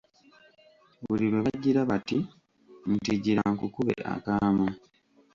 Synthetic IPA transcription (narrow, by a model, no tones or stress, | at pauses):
βuliβe̞βaɟːiɾaβati | ntiɟiɾaaŋkukuβḛʔa̰kaːma